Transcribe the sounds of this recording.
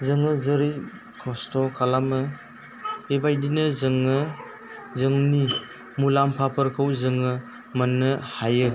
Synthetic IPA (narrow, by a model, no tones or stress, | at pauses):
zɯŋɯzəɾi | kʰɔstʰɔkʰalamɯ | ebajdinɯzɯŋɯ | zɯŋni | mulampʰapʰəɾkʰɯwzɯŋɯ | mɐnɯhajɯ